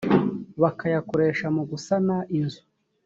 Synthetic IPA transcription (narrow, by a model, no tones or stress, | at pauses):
βakʰajakoɾe̞ːʃamuɡusanaʔinzu